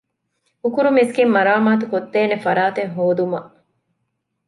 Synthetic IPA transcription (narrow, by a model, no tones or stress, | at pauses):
ukuɾumiskimːɐɾaːmaːt̪ukot̪ːeːnefɐɾaːt̪eŋɦoːd̪umɐʔ